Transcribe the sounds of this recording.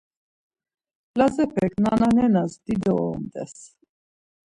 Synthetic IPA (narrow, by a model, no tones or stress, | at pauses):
lazɛpʰɛkʰnananɛnasd̪id̪ɔɔmd̪ɛ̰s